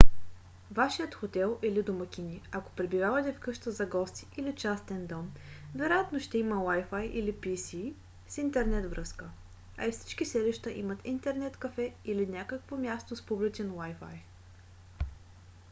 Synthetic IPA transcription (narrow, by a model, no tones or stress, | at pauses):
vaʃijət̪xot̪ɛlˠʔilid̪omɐkʲinʲiako̥pɾɛbivavɐt̪ɛfkɤʃt̪əzɐɡɔst̪i̥ʔilit͡ʃast̪ɛnd̪ɔmvɛɾojat̪noʃt̪ɛiməlajfajʔilipisi | sint̪ɛɾnɛt̪vɾɤskə | ɐ̰ifsi̥t͡ʃkisɛliʃt̪əʔḭmət̪int̪ɛɾnɛt̪kɐfɛilinʲakəkvomʲjast̪ospublit͡ʃɛnwajfa̰j